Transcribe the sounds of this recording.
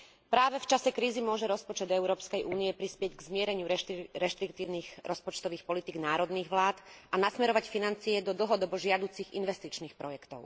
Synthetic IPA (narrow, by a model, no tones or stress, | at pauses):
pɾaːʋɛft͡ʃasɛkɾiːzimʊɔʒɛɾɔspɔt͡ʃɛd̪ɛʊɾɔːpskɛjʔuːniɛpɾispɪɛɟɡzmɪɛɾɛɲɪuɾɾɛʃt̪ɾikt̪iːʊniːɣɾɔspɔt͡ʃt̪ɔʋiːxpɔlit̪iːɡnaːɾɔd̪niːɣʋlaːt̪anasmɛɾɔʋacfinant͡siɛd̪ɔd̪l̩ɦɔd̪ɔbɔʒɪad̪uːt͡siɣḭnʋɛst̪it͡ʃniːxpɾɔjɛkt̪ɔ̰ʊ